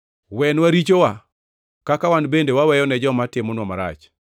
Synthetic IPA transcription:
wɛnwaɾit͡ʃowa | kakawanbendewawɛjɔnɛd͡ʒɔmatɪmɔnwɔmaɾa̰t͡ʃ

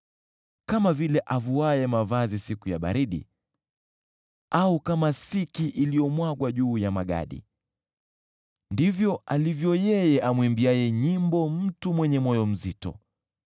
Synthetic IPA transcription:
kamavilɛʔavuajɛmavazisikujaɓa̰ɾiɗḭ | aukamasikiʔilijɔmwaɡwaʄuːjamaɠa̰ɗḭ | ndivjɔalivjɔjɛjɛʔamwimbiajɛɲimbɔm̩tumwɛɲɛmɔjɔm̩zitɔ̰

